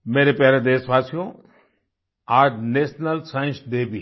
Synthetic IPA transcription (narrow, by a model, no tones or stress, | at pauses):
meːɾepjaːɾed̪eːsʋaːsijõ | aːd͡ʒneːsnəlsãɪ̃sd̪eːbi